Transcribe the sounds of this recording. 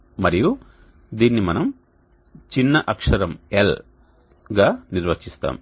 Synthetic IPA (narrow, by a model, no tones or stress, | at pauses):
mɐɾiju | d̪iːnːimɐnɐm | t͡ʃinːɐʔɐkʂɐɾɐmel | ɡaːniɾʋɐt͡ʃist̪a̰ːm